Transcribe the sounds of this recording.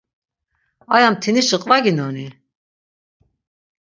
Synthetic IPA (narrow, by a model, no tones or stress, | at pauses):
ajamt̪ʰiniʃəqʼvaɡinɔni